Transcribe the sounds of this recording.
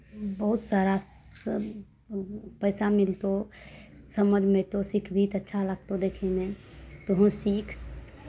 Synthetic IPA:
bəɦʊt̪saːɾa | pəɪsamɪlt̪o | səməd͡ʒʱmẽt̪osikʰbʱiːt̪ətːʃʰaləɡt̪od̪eːkʰenẽ | t̪oɦõsiːkʰ

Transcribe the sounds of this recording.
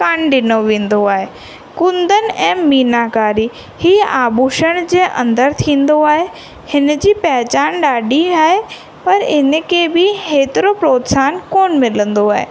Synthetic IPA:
kaːɳɗɪnoʋẽːn̆d̪oaːɦe | kʊ̃nd̪ənɪ̆ɛ̃ːmiːnakaːɾi | hiːaːbuːʃəɽ̃d͡ʑeːʔɐ̰̃nd̪əɾt̪ʰĩːnd̪oaːɦe | hɪnd͡ʑiːpɐɦɪt͡ɕaːnɗaːɗiaːɦe | pɐɾɪnkeːbɪheːt̪ɪɾopɾoːt̪saːnkoːnmɪlə̃nd̪oaːɦḛː

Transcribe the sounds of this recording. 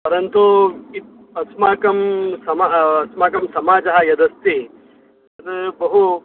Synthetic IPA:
pɐɾɐnt̪uit̪̚ | ɐsmaːkɐmsɐmaɦɐɐsmaːkɐmsɐmaːd͡ʒɐɦɐjɐd̪ɐst̪i | ɐt̪bɐɦu

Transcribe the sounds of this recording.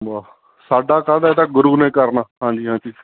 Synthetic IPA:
baː | saːɖaːkaːd̪aːeːt̪aɡʊɾuːnẽːkəɾnaːɦãːɲd͡ʒiːɦãːd͡ʒiː

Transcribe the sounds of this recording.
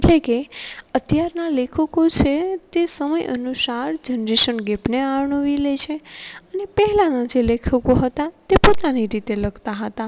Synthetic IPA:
eʈlekeət̪jaɾnalekʰəkot͡ʃʰet̪esəməjʔə̰nusaɾd͡ʒənɾeʃənɡepneaʋɳəʋilet͡ʃʰeənepəɦɛlanad͡ʒelekʰəkoɦət̪at̪epot̪aniɾit̪eləɡt̪aɦət̪a

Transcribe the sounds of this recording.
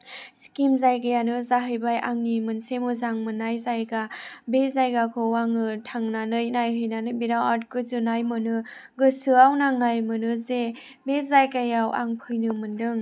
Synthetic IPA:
skimzajɡajanɯzaɦɯjbajʔaŋnimɯnsemɯzaŋmɯnajzajɡabezajɡakʰɯwaŋɯtʰaŋnanɯjnajɦɯjnanɯbiɾawatkɯzɯnajmɯnɯɡɯsɯawnaŋnajmɯnɯze | bezajkajawʔa̰ŋpʰɯjnɯmɯndɯŋ

